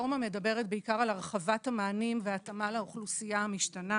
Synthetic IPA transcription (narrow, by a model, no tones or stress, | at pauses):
mame̞dɐbe̞ʁet̚beikaʁalaʁχavathamaːnimveatamalauχlusijahamiʃtana